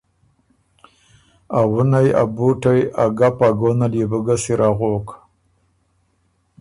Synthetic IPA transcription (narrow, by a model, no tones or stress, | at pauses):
awunaja̰buʈajaɡapaɡonalebəɡasiɾʔaɣok